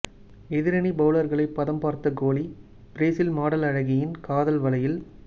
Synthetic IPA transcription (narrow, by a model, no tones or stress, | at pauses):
ɛðɪɾɐnibɐʋlɐɾɣɐɭɐɪpːɐðɐmpaːɾt̪ɐɡoːli | pɪɾeːsɪlmaːɽɐlɐɻɐɣɪjɪnkaːðɐlʋɐlɐjɪl